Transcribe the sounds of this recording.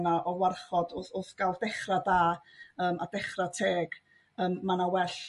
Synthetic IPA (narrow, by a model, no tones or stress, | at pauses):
naʔɔwarχɔdʊθʊθɡ̥alˠvdɛχradaːəːmadɛχratʰeːɡ̥ | əːmːanawɛɬ